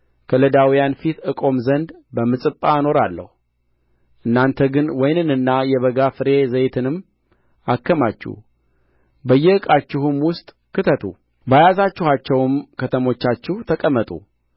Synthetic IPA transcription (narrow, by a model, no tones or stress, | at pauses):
kʰələd̪awijanfit̪ɨkʼo̞mzənd̪bəmɨsʼɨpʼːano̞ɾalːə̰hu | ʔɨnːant̪ʰəɡɨnwɔjnɨnɨnːajɛβəɡafɨɾe̞zəjt̪ʰɨnɨmː | akːəmat͡ʃːṵh | bəjːɛɨkʼat͡ʃːɪhɨmwʊst̪ʼ | kɨt̪ʰət̪ʰṵ | bajazat͡ʃːɪhat͡ʃːɛwmkʰət̪ʰəmo̞t͡ʃːat͡ʃːɪht̪ʰəkʼəmːət̪ʼṵ